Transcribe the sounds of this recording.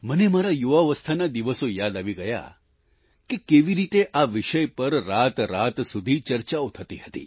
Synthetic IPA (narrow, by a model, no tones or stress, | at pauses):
mənemaɾajuʋaʋəst̪ʰanad̪iʋəsojad̪aʋiɡəja̰ | kekeʋiɾit̪eʔaʋiʃəjpəɾːat̪ɾat̪sud̪ʱit͡ʃəɾt͡ʃaot̪ʰət̪iɦət̪ḭ